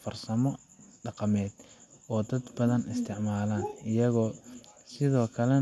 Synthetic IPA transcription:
fɐrsɐmɔ | ɖɑqɑmɛːd̪̥ɔːd̪ɐd̪bɐðɐnɪst̪ʰɪʕmaːlaːnɪjɐɣɔːsɪðɔːkʰɐlɛ

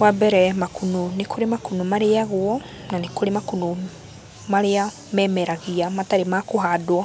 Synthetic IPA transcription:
wabɛɾɛmakunonekʰoɾemakunumaɾeaɣwɔ | nanekoɾemakuno | maɾea | mɛmɛɾaɣiamataɾemakoɦadwa

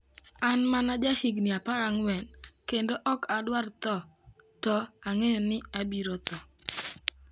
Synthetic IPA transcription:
anmanad͡ʒahiɡnɪapaɾaŋwɛnkendoʔɔkadwart̪ɔtɔaŋejonɪabiɾot̪ɔ

